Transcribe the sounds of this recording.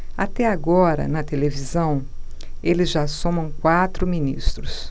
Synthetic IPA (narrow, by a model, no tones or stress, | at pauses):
at̪ɛaɡɔɾɐ̰nɐt̪elevizɐ̃w̃ | elɪzʒasõmɐ̃w̃kwat̪ɾʊminist̪ɾʊs